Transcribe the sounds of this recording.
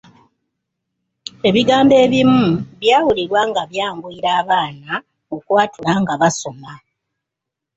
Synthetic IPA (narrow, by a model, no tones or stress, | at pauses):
e̞βiɡaːmbe̞ːβimuβjaːwuliɾwaːŋɡaβjaːŋɡuiɾaːβaːna | okwaːtulaŋɡaβaso̞ma